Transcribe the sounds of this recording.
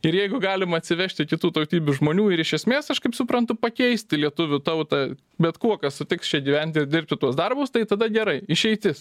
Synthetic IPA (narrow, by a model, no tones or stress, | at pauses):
ɪɾjɛɪɡʊɡɑːlʲɪmɐɐt̪ʲsʲɪʋʲæʃʲt̪ʲɪkʲɪt̪uːt̪ɐʊt̪ʲiːbʲʊʒmoːnʲuːɪɾɪʃʲɛsʲmʲeːsɐʃkɐɪpsʊpɾɐnt̪ʊpɐkʲɛɪsʲt̪ʲɪlʲiɛt̪ʊʋʲʊt̪ɐʊt̪ɐ | bʲɛt̪kuɔkɐssʊt̪ʲɪkst͡ʃʲɛɡʲiːʋʲɛnʲt̪ʲɪɪɾd̪ʲɪɾʲp̚ʲt̪ʲɪt̪uɔsd̪ɐrbʊst̪ɐɪt̪ɐd̪ɐɡʲɛɾɐɪɪʃʲɛɪt̪ʲɪs